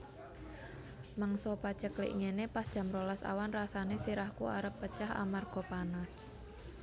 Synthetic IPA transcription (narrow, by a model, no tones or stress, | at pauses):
maŋsɔpat͡ʃəklḭʔŋenepasd̥ʒ̥a̤mɾolasa̰wanrasanesiɾahkuaɾəpːət͡ʃaha̰marɡ̥ɔ̤panas